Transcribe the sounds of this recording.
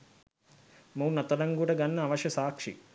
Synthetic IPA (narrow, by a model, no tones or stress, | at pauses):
mownɐt̪ɐlɐŋɡuəʈəɡanːəaʋɐʃjɐsaːkʂḭ